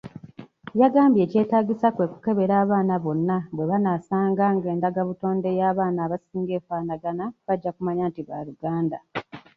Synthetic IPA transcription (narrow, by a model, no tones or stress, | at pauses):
jaɡaːmbje̞ːce̞ːtaːɟisakwe̞ku̥ke̞βe̞ɾaːβaːnaβo̞nːaβwe̞βanasaːŋɡaːŋɡe̞ːndaɡaβuto̞ːnde̞jaːβaːnaːβasiːŋɡe̞ːfaːnaɡanaβaɟːakumaɲaːntiβa̰ɾuɡaːnda